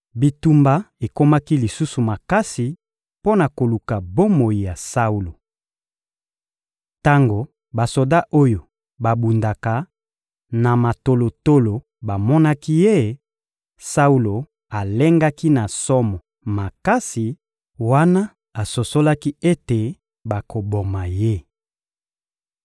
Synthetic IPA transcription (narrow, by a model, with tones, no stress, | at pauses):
bi˨tu˨mba˦e˨ko˦ma˦ki˦li˨su˦su˨ma˨ka˦si˨ | po˦na˨ko˨lu˨ka˨bo˦mo˨ji˨ja˨sa˦u˨lo˨ | ta˦ŋɡo˨ | ba˨so˨da˦ʔo˦jo˨ | ba˨bu˨nda˨ka˨ | na˨ma˨to˨lo˨to˦lo˨ | ba˨mɔ˦na˦ki˦je˦˨ | sa˦u˦lo˨ | a˨le˦ŋɡa˦ki˦na˨sɔ˦mɔ˨ | ma˨ka˦si˨ | wa˦na˦ | a˨so˨so˦la˦ki˦e˦te˨ | ba˨ko˨bo˨ma˨je˦˨